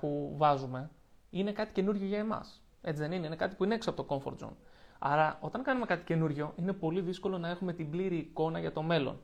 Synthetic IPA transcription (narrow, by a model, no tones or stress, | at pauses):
puvɐzume̞ | ine̞kɐt̪i̥ce̞nuɾʝo̞ʝɐe̞mɐ̰s | e̞t͡siðe̞nineine̞kɐt̪̬ipuineeksoɐpo̞t̪oko̞ɱfo̞ɾd̪zo̰nɐ̰ɾɐo̞t̪ɐŋkɐnume̞kɐt̪i̥ce̞nuɾʝo̞ʔine̞po̞liðisko̞lo̞nɐe̞xume̞t̪imbliɾiːko̞nɐʝɐt̪o̞me̞lo̰n